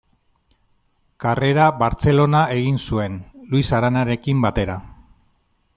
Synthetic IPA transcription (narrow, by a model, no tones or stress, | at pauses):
kare̞ɾaβaɾt͡se̞lo̞nae̞ɣinsue̞nluisaɾanaɾe̞kimbat̪e̞ɾa